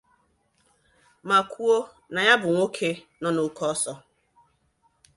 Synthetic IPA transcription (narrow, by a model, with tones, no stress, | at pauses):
ma˨kʰʷu˦o˦ | na˨ja˦bʊ˨ŋʷo˦kʰe˦ | nɔ˦no˨kɔ˦sɔ˦